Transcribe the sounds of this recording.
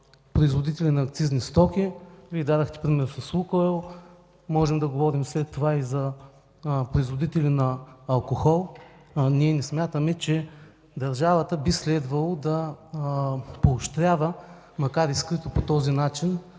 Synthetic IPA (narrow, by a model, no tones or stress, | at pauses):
pɾoizvod̪it̪ɛlʲinɐːkt̪siznist̪ɔkʲivid̪ad̪ɐxt̪ɛ̥pɾimɛɾnʊsɐsukoɛlˠ | mɔʒɛmd̪ɐɡovɔɾimslɛt̪ːovaizɐ | pɾoizvod̪it̪ɛlinɐːlˠkoxɔlˠniɛnɛsmʲjat̪əmɛt͡ʃɛ | d̪ɐɾʒavət̪əbislɛd̪vɐlˠod̪ɐ | poːʃt̪ɾʲjavə | mɐkaɾiskɾit̪opot̪ɔzinat͡ʃin